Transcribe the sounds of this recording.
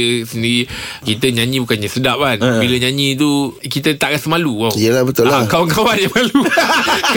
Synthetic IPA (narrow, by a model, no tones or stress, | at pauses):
əsəndiɾikit̪əɲãɲĩbukanɲəsədap̚lanbiləɲãɲĩt̪̬ukit̪ət̪aʔkasəmaluwaijəlahbət̪ʊllakawaŋkawanjamalu | k